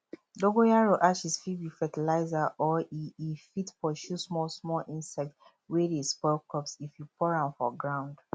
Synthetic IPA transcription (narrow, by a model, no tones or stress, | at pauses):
doɡojaɹoʔaʃisfibifɛtɛlaɪzaʔɔiifitpɔʃusmɔlsmɔlĩnsɛk̚t | wedespɔkʰɔpsifjupɔɹãnfɔ̰ɡɹãʊ̃nd